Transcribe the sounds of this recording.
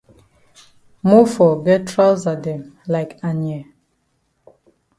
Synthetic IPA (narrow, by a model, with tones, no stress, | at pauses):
mu˦fɔ˨ɡɛ˦tʰɹaza˨dɛ̃˨mlaɪkã˨njɛ˨